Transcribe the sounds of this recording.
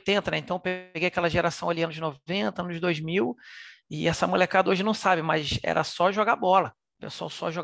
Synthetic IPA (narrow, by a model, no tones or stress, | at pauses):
t̪ẽt̪ɐnɛẽt̪ɐ̃w̃peɡejakɛlɐʒeɾasɐ̃w̃aliɐ̃nʊd͡ʒɪnoẽnt̪ɐɐ̃nʊd͡ʒɪd̪ojzmiwɪɛsɐmulekad̪ɐoʒɪnɐ̃w̃sabɪmɐzɛ̰ɾɐ̰sɔʒoɡabɔlɐ | peswa̰wsɔʒo